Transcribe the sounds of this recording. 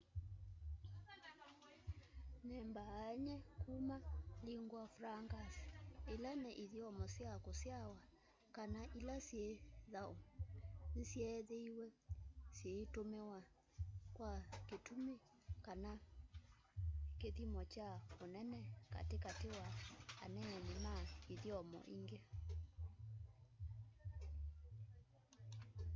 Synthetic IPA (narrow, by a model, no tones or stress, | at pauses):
nɛmbaːɛɲɛkumaliŋɡwafuɾaŋɡasi̥elanɛʔiðiɔmɔsjakosjawa | kanaʔilasjeðaonsɛðeiwɛsjetomewa | kwaketume | kana | keðimɔt͡ʃaonɛnɛka̰tekatewaa̰nɛɛnemaeðjɔmɔ̰ʔiŋɡe